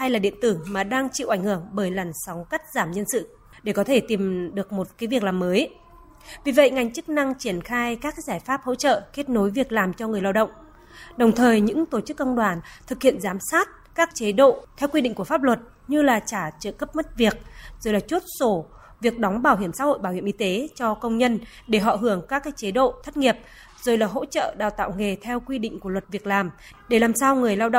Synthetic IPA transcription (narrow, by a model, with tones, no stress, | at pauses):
ha˧jlaː˨˩ɗḭ˧˨ənt̪ɨ˧˩maː˨˩ɗaː˧ŋt͡ɕḭ˧˨wʔa˧˩ŋ̟hɨ˧˩əŋɓəː˧˩jlə˨˩nsa˨˦wŋ͡mka˦˥jk̟̚zaː˧˩mɲə˧nsɨ̰˧˨ | ɗe˧˩kɔ˨˦t̪ʰe˧˩t̪i˨˩mɗɨ˨˩ək̚mo˨˩t̚kaː˨˦jvi˨˩ək̚laː˨˩mːəː˨˦j | vi˨˩və̰˧˨jŋa˨˩jŋ̟t͡ɕɨ˦˥k̚na˧ŋt͡ɕi˧˩ənxaː˧jkaː˦˥k̚zaː˧˩jfaː˦˥p̚ho̰˧˥t͡ɕə̰ː˧˨ke˦˥t̚no˨˦jvi˨˩ək̚laː˨˩mt͡ɕɔ˧ŋɨ˨˩əjla˧wɗə̰˧˨wŋ͡m | ɗə˨˩wŋ͡mt̪ʰəː˨˩jɲɨ̰˧˥ŋt̪o˧˩t͡ɕɨ˦˥kːə˧wŋ͡mɗwaː˨˩nt̪ʰɨ˨˩k̚hḭ˧˨ənzaː˨˦msaː˦˥t̚ | kaː˦˥k̚t͡ɕe˨˦ɗo̰˧˨t̪ʰɛ˧wkwi˧ɗḭ˧˨ŋ̟ku˧˩faː˦˥p̚lwə˨˩t̚ | ɲɨ˧laː˨˩t͡ɕaː˧˩t͡ɕə̰ː˧˨kə˦˥p̚ma˦˥t̚vi˨˩ək̚zo˨˩jlaː˨˩t͡ɕu˦˥t̚so˧˩ | vi˨˩ək̚ɗɔ˨˦wŋ͡mɓaː˧˩whɦi˧˩əmsa̰˧˥ho̰˧˨jɓaː˧˩whi˧ə˨ʔi˧t̪e˨˦t͡ɕɔ˧kə˧wŋ͡mɲə˧n | ɗe˧˩ɦɔ̰˧˨ɦɨ˧˩əŋkaː˦˥kːaː˨˦˥jt͡ɕe˨˦ɗo̰˧˨t̪ʰə˦˥t̚ŋi˨˩əp̚ | z̥o˨˩jlaː˨˩ɦo̰˧˥t͡ɕə̰ː˧˨ɗaː˨˩wt̪a̰ː˧˨wŋe˨˩t̪ʰɛ˧wkwi˧ɗḭ̈˧˨ŋ̟ku˧˩əwə˨˩t̚vi˨˩ək̚laː˨˩m | ɗe˧˩laː˨˩msaː˧wŋɨ˨˩əjlaː˧wɗə̰˧˨